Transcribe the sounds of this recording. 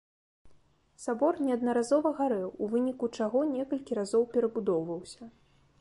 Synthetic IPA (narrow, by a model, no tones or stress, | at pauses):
sabɔrnʲɛɐd̪nɐɾazɔvɐɣaɾɛwuvɨnʲikut͡ʂaɣɔnʲɛkɐlʲkʲiɾazɔwpʲɛɾɐbud̪ɔwvɐwsʲɐ